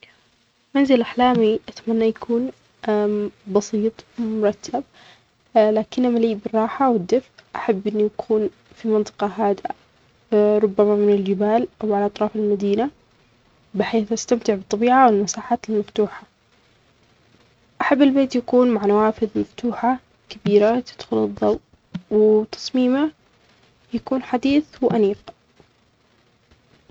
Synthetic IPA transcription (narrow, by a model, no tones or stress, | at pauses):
manzɪlʔaħlaːmiʔat̪manːajakʰuːn | bɑsiːt̪ˤmʊɾˤɑt̪ʰːab̚ | laːkɪnːʔamaliːbɪrˤːɑːħawɪd̪ːɪfʔʔaħabːʔɪnːujakʰuːn | fimɑnt̪ˤɨ̥qɑɦaːd̪ɪʔa̰ | ɾˤʊbːamamɪnɪld͡ʒɪbaːlʔawʕalaʔɑt̪ˤɾˤɑːfɪlmad̪iːna | bɪħeːθʔast̪amt̪ɪʕbɨt̪ˤːɑbiːʕawɪlmasaːħaːt̪ɪlmaft̪uːħa | ʔaħabːɪlbeːt̪jakuːnmaʕnawaːfɪðmaft̪uːħa | kabiːɾat̪ɪ̥d̪̥xʊlɨðˤːɑwt̪ | wɪt̪ʰɑ̥sˤmiːma | jakuːnħad̪iːθwʔaniːq